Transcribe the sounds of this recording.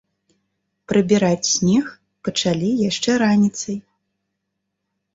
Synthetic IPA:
pɾɨbʲiɾat͡sʲsʲnʲix | pɐt͡ʂalʲijaʂt͡ʂɛɾanʲit̪sɐj

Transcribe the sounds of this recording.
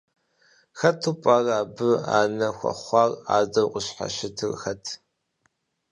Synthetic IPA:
xɐtʰupʷʼaːraːbɨa̰ːnɐxʷɐ̰χʷɑːra̰ːzɐwqʷʼʊɕħa̰ʃɪtʰɨrxɐtʰ

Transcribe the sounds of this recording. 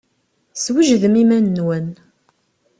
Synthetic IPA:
swiʒðəmimænːwən

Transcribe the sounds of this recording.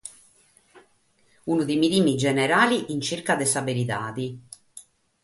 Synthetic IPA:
unud̪eminiːmid͡ʒɛneɾaːliʔint͡ʃirkad̪ɛsabeɾit̪aːd̪i

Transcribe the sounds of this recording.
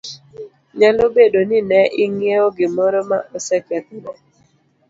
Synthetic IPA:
ɲalobedonɪnɛʔɪŋeoɡɪmɔɾɔmaʔɔsɛkɛt̪̚nɔ

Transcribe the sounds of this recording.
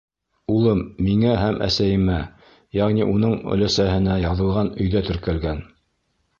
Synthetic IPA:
ulˠɤmːiŋæɦæmʔæ̰sæjɘ̆mæ | jɑʁniʔunɤɴɵ̰̆læsæhɘ̆næjɑðɤ̆lˠʁɑnɵ̆jðæt̪ɵ̆ɾkælɡæn

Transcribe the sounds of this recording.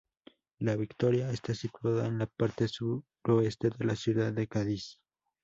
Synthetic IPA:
laβikt̪o̞ɾjaest̪asit̪waðaenlapaɾt̪e̞su | ɾo̞e̞st̪e̞ðe̞lasjuðaðːekaðis

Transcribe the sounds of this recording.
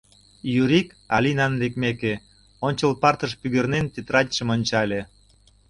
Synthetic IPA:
jyɾik | ɑlʲinɑnlekmeke | onʲt͡ɕəlpɑrt̪əʃpyɣernent̪et̪rɑtʲʃəmonʲt͡ɕɑlʲe

